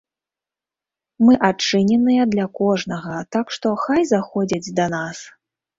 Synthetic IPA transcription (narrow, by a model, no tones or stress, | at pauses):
mɨʔat͡ʂɨnʲɛnɨjɐd̪lʲɐkɔʐnɐɣɐt̪akʂt̪ɔxajzaxɔd͡zʲɐd͡zʲd̪ɐnas